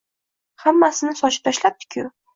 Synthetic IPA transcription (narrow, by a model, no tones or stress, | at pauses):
hamːasɪnɪsɒt͡ʃɪ̥p̚t̪ʰaʃlap̚d̪ɪ̥kʲʰʊ